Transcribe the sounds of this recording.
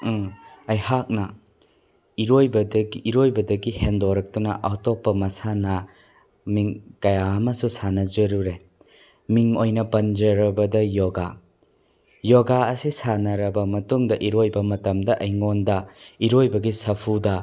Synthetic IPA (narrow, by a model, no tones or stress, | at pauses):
ɐjhak̚nɐ | iɾojbɐdɐɡːɾojbɐdɐɡihendoɾɐk̚tunɐ̰ʔɐwtɔpːɐmɐsanɐ | miŋkɐjaɐmɐsusanɐd͡ʒɐɾuɾe | miŋojnɐpɐnd͡ʒɐɾɐbɐdɐjoɡa | jɔɡaɐsisanɐɾɐbɐmɐtuŋdɐʔiɾojbɐmɐtɐmdɐʔɐjŋondɐiɾojbɐɡisɐpʰudɐ